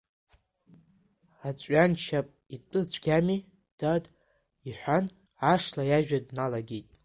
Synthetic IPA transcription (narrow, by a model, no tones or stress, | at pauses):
at͡ɕʷʼɥant͡ʃʰapʼit͡pʼɨt͡sʷʰʼɡʲami | d̥ad | iħʷan | aʂlajaʒᶣadnalaɡʲejtʼ